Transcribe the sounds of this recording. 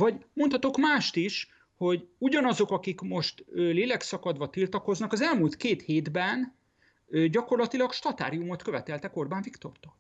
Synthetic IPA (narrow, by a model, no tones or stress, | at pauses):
vɒɟmo̞nt̪hɒt̪o̞kmaːʃt̪iʃ | ho̞ɟuɟɒnɒzo̞kɒkikmo̞ʃt̪øleːlɛksɒkɒd̪vʋɒt̪ilt̪ɒko̞znɒkɒzɛlmult̪keːt̪heːd̪bɛn | øɟɒko̞rlɒt̪ilɒkʃt̪ɒt̪a̰ːɾijumo̞t̪kø̞vɛt̪ɛlt̪ɛko̞rbaːɱvikt̪o̞̰rt̪o̥ːl